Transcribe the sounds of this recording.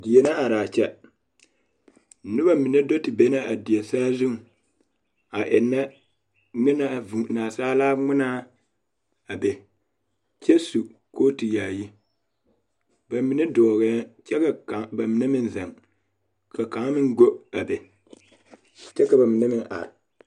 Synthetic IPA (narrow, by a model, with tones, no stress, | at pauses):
dɪ˨je˨na˦a˨ɾaː˨t͡ʃɛ˦˨˦ | nʊ˦ba˦mi˨ne˦do˦tɪ˨be˦na˦ʔa˨dɪ˨ɛ˨saː˦zʊ˦ŋ˨ | a˨ʔɪ˨nːa˦ | ŋi˦na˦a˨vu˨naː˨saː˦laː˦ŋ͡mɪ˦naː˦ | a˨be˨ | t͡ʃɛ˦su˨koː˦ti˨jaː˨ji˦ | ba˨mi˨ne˦dɔː˨ɣɛː˨˦t͡ʃɛ˦ka˨ka˨ba˨mi˨ne˦mɪ˦nzɛ˨ŋ | ka˨ka˨˦ŋ˦mɪ˦ŋɡo˦a˨be˨ | t͡ʃɛ˦ka˨ba˨mi˨ne˦mɪ˦ŋʔa̰˨ɾɪ˨